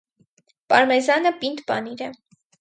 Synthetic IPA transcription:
pɑɾmɛzɑnəpint̪bɑniɾɛ

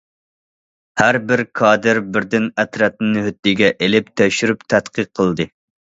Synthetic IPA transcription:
hæɾbɪɾkʰɑːd̪ɨɾbɪɾd̪ɪnɛt̪ɾɛt̪̚nɨnɨɦyt̪̚ːɪɡʲɛʔelɪp̚t̪ʰøʃyɾypt̪ʰæt̪qiqʰːəlˠd̪ɨ

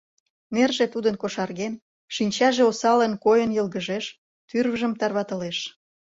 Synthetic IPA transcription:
nerʒet̪ud̪ənkoʃɑrɣen | ʃinʲt͡ɕɑʒeosɑlənkojənjəlɣəʒeʃ | t̪yrβəʒə̆mt̪ɑrβɑt̪ə̆leʃ

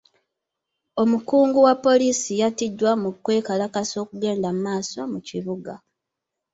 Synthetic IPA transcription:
o̞mukuːŋɡuwapːo̞liːsijatidːwamukwe̞ːkalakaso̞ːkuɡe̞ːndamumaːso̞muciβuɡa

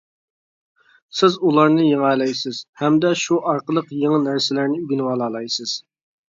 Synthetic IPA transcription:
sɪzulˠɑɾnɨjeŋæːlɛjsɪz̥hɛmd̪ɛʃuʔɑɾqəlˠəqjeŋənæɾsɪlæɾnɪyɡʲinwɑːlˠɑːlˠɑjsɪz̥

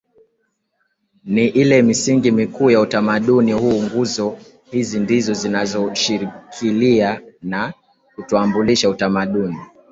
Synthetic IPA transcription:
niʔilɛmisiŋɡimikuːjautamaɗunihuːŋɡuzɔ | hizindizɔzinazɔʃiɾikʰiliana | kutuambuliʃautamaɗuni

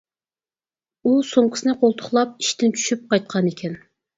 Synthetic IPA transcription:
usoŋqʰɪ̥sɨnɨqʰolˠt̪ʰʊ̥χlˠɑp̚i̥ʃt̪ɪnt͡ʃʰy̥ʃyp̚qɑjt̪̚qʰɑnekʲʰɛn

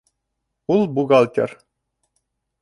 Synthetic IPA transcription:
ulˠbuɣɑlʲˠt̪ʲḛr

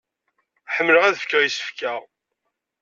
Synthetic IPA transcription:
ħəmːləʁæðəfkəʁjisə̥fkæʁ

